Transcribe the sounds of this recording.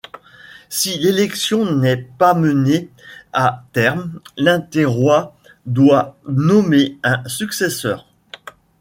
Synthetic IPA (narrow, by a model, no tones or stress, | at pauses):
silelɛksjɔ̃nɛpaməneat̪ɛʁmlɛ̃t̪eʁwa | d̪wanɔmeɛ̃syksesœːʁ